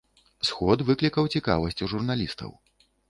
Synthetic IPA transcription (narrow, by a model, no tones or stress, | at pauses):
sxɔd̪vɨklʲikɐwt͡sʲika̰vɐsʲt͡sʲuʐurnalʲist̪ɐ̰w